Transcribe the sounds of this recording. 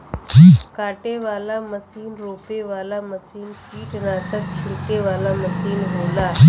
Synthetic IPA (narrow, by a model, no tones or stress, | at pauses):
d͡ʒiːkaːʈeʋaːlaməsiːnɾoːpeʋaːlaməsiːnpiːʈnaːsək̚t͡ʃʰɪɭkeʋaːlaməsiːnɦoːlaːd͡ʒ